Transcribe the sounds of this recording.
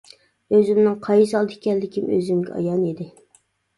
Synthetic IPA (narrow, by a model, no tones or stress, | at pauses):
øzymnɪŋqʰɑjsɑlˠd̪ɪ̥kʲʰɛlːɪkʲʰimø̰zymɡʲɛ̰ɑ̰jɑnid̪ɪ